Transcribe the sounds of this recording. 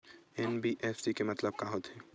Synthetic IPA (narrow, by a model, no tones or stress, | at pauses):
ɛnbiʔɛːfsikemɐt̪ləb̚kaɦot̪ɦɛː